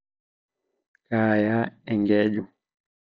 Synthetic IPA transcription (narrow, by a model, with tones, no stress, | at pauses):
kaː˨ja˦ɛ˨ŋɡɛ˦d͡ʒu˨